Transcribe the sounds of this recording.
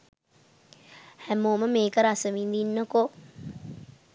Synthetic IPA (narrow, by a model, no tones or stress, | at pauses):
hæmoːməmeːkəɾasəʋind̪inːəko